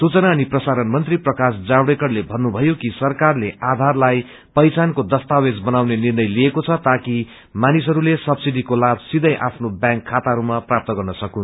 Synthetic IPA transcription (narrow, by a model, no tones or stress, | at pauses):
sut͡sʌnaːniprʌsaɾʌnmʌnt̪riprʌkasd͡zabɽekʌɽlebʱʌnːubʱʌjokisʌrkarleʔad̪ʱarlaj | pʌjt͡sankod̪ʌst̪awed͡zbʌnawnenirnʌjliekot͡sʰʌt̪aki | manis̬ʌɾulesʌbsiɖikolabʱsid̪ʌjʔa̰pʰnobjãŋkʰːat̪aɦʌɾumaprap̚t̪ʌɡʌrnʌsʌkũn